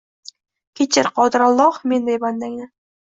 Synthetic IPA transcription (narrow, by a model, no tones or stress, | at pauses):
kʲʰet͡ʃʰɪɾqʰɒd̪ɪɾalˠːɒhmend̪ajband̪aŋʲnɪ